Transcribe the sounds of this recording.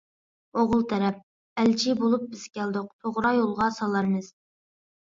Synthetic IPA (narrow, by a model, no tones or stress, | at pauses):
oʁʊlˠt̪ʰɛɾɛp̚ | ælt͡ʃʰibolˠup̚bɪz̥kʲɛld̪ʊq̚t̪ʰoʁɾɑjolˠʁɑsɑlˠɑɾmɨz̥